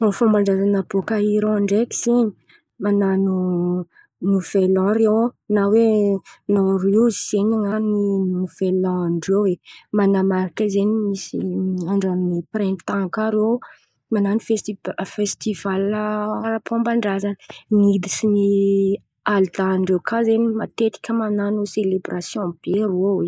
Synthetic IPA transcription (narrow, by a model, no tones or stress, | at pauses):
ofãmbaɳɖ͡ʐazanapokaiɾõaɳɖ͡ʐeki̥seɲi̥ | mananu | nuvelɔ̃ɾewnawenariwziseɲaŋaninuvelɔ̃ɳɖ͡ʐewwemanamaɾikəzenimisiaɳɖ͡ʐamniprɛ̃nt̪ãkaɾew | mananifeifest̪ivaləɾapʰɔ̃mbaɳɖ͡ʐazannid̪isini | ald̪aːɳɖ͡ʐewkʰazenimat̪et̪i̥kʲəmananuselebrasjɔ̃b̥eɾowe